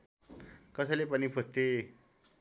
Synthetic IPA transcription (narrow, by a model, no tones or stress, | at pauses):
kʌsalepanipʰəst̪e